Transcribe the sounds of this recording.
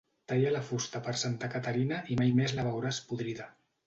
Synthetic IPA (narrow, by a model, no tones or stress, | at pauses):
t̪ajalafust̪apəɾsant̪akat̪aɾinaʔimajmezlaβawɾaspuðɾiða